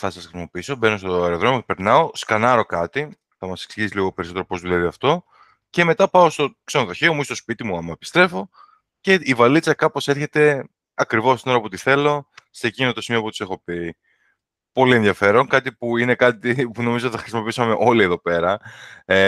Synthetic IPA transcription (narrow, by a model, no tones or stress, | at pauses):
θɐsɐsxɾisimo̞piiso̞be̞no̞st̪oeɾoðɾo̞mjocepe̞ɾnɐo̞skɐnɐɾo̞kɐt̪i | θɐmɐse̞ksiʝisiliɣo̞pe̞ɾiso̞t̪eɾo̞po̞zðulɐðiɐft̪o̞ | ce̞me̞t̪ɐpɐost̪o̞ksenoðo̞çeomuist̪o̞spit̪imuɐmɐepi̥st̪ɾe̞fo̞ | ce̞ivɐlit͡sɐkɐpo̞se̞ɾçe̞t̪e̞ | ɐkɾivosino̞ɾɐpo̞t̪iθe̞lo̞secinot̪o̞simio̞put̪i̥se̞xo̞pi | po̞lie̞nðjɐfe̞ɾo̞nkɐt̪ipuine̞kɐt̪ipuno̞mizot̪θɐxɾisimo̞piisɐmeʔo̞lieðo̞pe̞ɾɐe